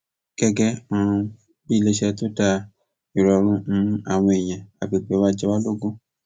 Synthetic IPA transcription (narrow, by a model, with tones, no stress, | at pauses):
ɡ̥ɛ˧ɡɛ˧ã˧ | i˦˨le˧ʃɛ˧to˦da˧ | i˨ɾɔ˨ɾ̃ũ˦ñ̩˦a˨w̃ɔ̃˧e˨j̃ɛ̃˨a˨ɡ͡bi˨ɡ͡be˨˦wa˦d͡ʒɛ˧wa˦lo˦ɡũ˦